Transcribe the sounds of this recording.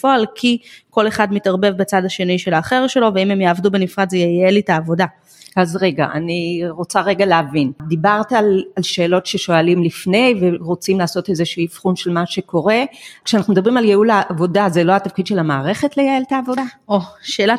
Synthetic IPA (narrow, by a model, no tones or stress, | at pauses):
foalkʰiko̞le̞χadmitaʁbe̞vbet͡sadaʃe̞niʃelaːχeʁʃe̞lo̞veimemjaːvdubenifʁadzejejelitaːvo̞da | azʁe̞ɡa̰ʔa̰niʁo̞t͡saʁe̞ɡaleavind̪ibaʁtalalʃe̞ːlo̞tʃe̞ʃo̞alimlifne̞jveʁo̞t͡simlaːso̞tezeʃiːfχunʃe̞lmaʃe̞ko̞ʁe̞kʃeanaχnumed̪abʁimaljeulaʔːvo̞dazelo̞atafkid̪ʃe̞lamaːʁe̞χe̞tlejaeltaːvo̞daoʃeːla